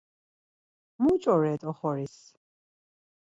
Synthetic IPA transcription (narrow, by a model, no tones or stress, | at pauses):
mut͡ʃʼɔɾɛːt̪ʼɔχɔɾis